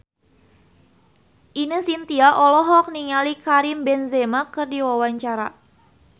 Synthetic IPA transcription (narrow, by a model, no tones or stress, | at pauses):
ʔinəsint̪iaʔɔlɔɦɔk̚niŋalikaɾimbɛnzɛmakɨrdiwawaɲt͡ʃaɾa